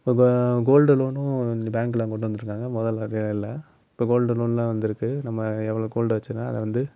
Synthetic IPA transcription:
ɪpːoːɡoːlɖɯloːnʊ̃baːŋklãːkɔʈːɯʋɐnd̪ɯɾɯkːaːŋɡɐmɔðɐlɐɾjɪlːɐ | ɪpːoːɡoːlɖɯloːnlãːʋɐnd̪ɪɾɯkːɯnɐmːɐɛʋːɐɭoːɡoːlɖɯʋɐt͡ʃːɯnaːɐ̰ðɛ̰ʋɐnd̪ɯ

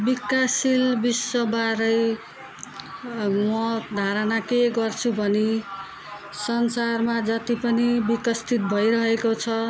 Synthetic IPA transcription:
bikːasilbisːʌbaɾʌj | mʌd̪ʱaɾʌnakeɡʌrt͡sʰubʱʌni | sʌnsarmad͡zʌt̪ipʌnibikʌst̪ʰit̪̚bʱʌjɾʌɦekot͡sʰʌ

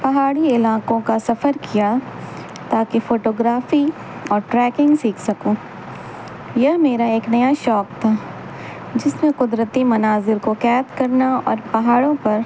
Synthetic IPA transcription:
pɐɦaːɽiɪlaːqõkasɐfəɾkija | t̪aːkefoːʈoːɡɾaːfi | ɔːɾʈɾɛːkɪ̃ŋɡsiːkʰsɐkoː | jɐɦmeːɾaeːknɐjaʃɔːkt̪ʰaː | d͡ʒɪsmẽqʊd̪ɾət̪imɐnaːzɪɾkokɛːt̪kɐɾnaɔ̰ːɾpɐɦaːɽõpɐɾ

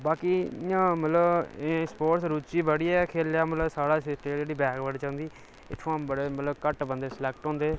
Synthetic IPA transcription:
baːkiːɪãːmət̪ləbeːspoːʈsɾuːt͡ʃiːbəɽiːɛkʰeːljaːmət̪ləbsaːɽaːsɪsʈed͡ʒeːɽiːbɛːkbəɽt͡ʃãːnd̪iː | ɪ̰t̪ʰːoãːbəɽeːmət̪ləbkəʈbənd̪eːslɛːk̚ʈɔ̃ːnd̪eː

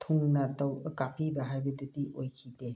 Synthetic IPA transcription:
tʰuŋnɐtɐwkapʰibɐɦajbɐdediʔojkʰide

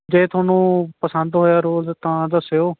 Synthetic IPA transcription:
d͡ʒeːt̪ʰoːnũːpəsənd̪ɦoːjaːɾoːlt̪ãːd̪əsoː

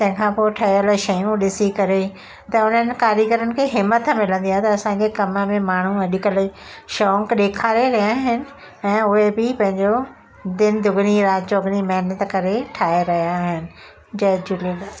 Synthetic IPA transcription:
t̪ɐ̃ɦɪ̃kʰãpoːʈʰɐjjəlʃɐjũɗɪsikɐɾe | t̪ɐʊn̤ənɪ̆kaːɾjəkəɾənɪ̆kʰeːɦɪmːət̪mɪlə̃nd̪iaːɦet̪ɐɐsãɲd͡ʑekɐməmẽmaːɳ̤uɐɗɪkəlʃɔːkɗeːkʰaːɾeɾɐjaɦɪnɪ̆ | ɛ̃ːʊɦebɪpɐ̃ɦɪ̃ɲd͡ʑo | d̪ɪnd̪ʱʊɡniɾaːt̪̚d͡ʑoɡnimɐɦnət̪kɐɾeʈʰaːeɾɐɦijaɦɪnɪ̆ | d͡ʑɐd͡ʑʊle

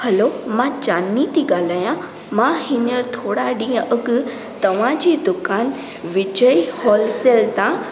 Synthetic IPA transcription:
hɐlomãt͡ɕaːnːit̪iɠaːl̤aːjã | mãɦɪnəɾt̪ʰoːɽaɗĩːə̃ʔɐɡ | t̪ɐʋ̤ãd͡ʑiːd̪ʊkaːn | ʋɪd͡ʑəihɔːlselt̪ã

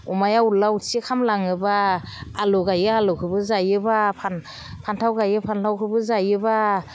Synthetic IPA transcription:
umajawlawusʰikʰamlaŋɯbaː | luɡajɯalɔkʰɯbɯzajɯbapʰan | pʰantʰawɡajɯpʰantʰawkʰɯbɯzajɯba

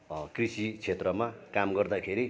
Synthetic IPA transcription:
krisit͡sʰet̪rʌmakamɡʌrd̪akʰeɾi

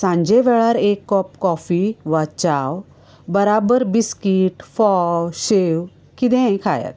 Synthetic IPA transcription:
sãɲd͡ʑeʋɛɭaɾekːɔp̚kɔfiʋat͡ɕaw | bəɾabəɾbiskiʈfɔɕew | kit̪ɛ̃kʰaja̰t̪̚

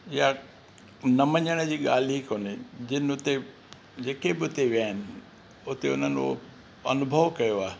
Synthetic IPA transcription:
ɪja | nɐməɲəɽ̃d͡ʑiːɠaːl̤iikoːnɪd͡ʑɪnɪʊt̪e | d͡ʑeːkebɪʊt̪eʋjaːɦɪnɪ̆ | ʊt̪eʊ̰n̤ənd͡ʑo̰ | ɐnʊbʱəʋkɐjoaːɦe

